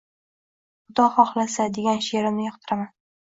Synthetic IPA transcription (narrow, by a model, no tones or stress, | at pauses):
ʊd̪ɒχɒχlasad̪e̞ɡʲanʃeɾɪmnɪjɒqt̪ʰɪɾaman